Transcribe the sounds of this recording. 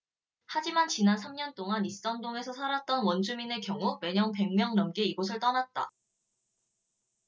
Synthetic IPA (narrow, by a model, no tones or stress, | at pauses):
had͡ʑimant͡ɕinans̬ʰamɲʌnt͈oŋanis͈ʌndoŋe̞sʰʌsʰaɾat̚t͈ʌnwʌnd͡ʑʰumine̞kjʌŋume̞ɲʌŋpe̞ŋmjʌŋnʌmɡeiɡosʰɯɭt͈ʌnat̚t͈a̰